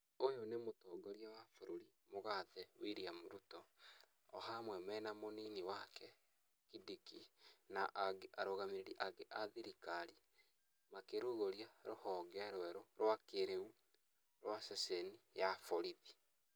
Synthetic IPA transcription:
ojonemotoɡoɾiawafoɾoɾimoɣaðɛwiɾiamoɾutɔ | ɔ̰hamwɛmɛnamoniniwakɛ | kidikinaʔaɡeʔaɾoɣameɾeɾiʔaɡeʔaðiɾikaɾi | makeɾoɣoɾiaɾohɔɡɛɾwɛɾoɾwakeɾeu | ɾwasɛsenijafoɾiði

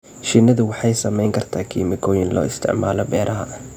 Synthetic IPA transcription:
ʃɪnːɐðʊwɑħɑjsɐmɛjŋkʰɐrt̪ʰaːkʰiːmɪkʰɔːjɪnlɔ̰ːɪst̪ʰɪ̰ʕmaːlɔbɛːɾʔɐɦɐʔ

